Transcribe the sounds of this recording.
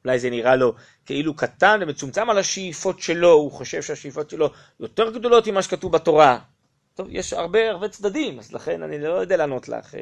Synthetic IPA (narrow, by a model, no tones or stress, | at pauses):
ulajzeniʁalo̞ | ke̞ʔilukatanvemet͡sumt͡samalaʃeifo̞tʃelo̞uχoʃe̞vʃeaʃejifo̞tʃe̞lo̞ | jo̞te̞ʁɡd̪o̞lo̞timaʃekatuvbato̞ʁa | t̪o̞vjḛʃa̰ʁbe̞aʁbe̞t͡sd̪ad̪imazlaχe̞na̰nilojod̪ealaːno̞tla̰χ